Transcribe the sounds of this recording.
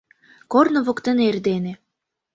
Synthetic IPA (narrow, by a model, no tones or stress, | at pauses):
kornɤ̆βokt̪ĕnerd̪enĕ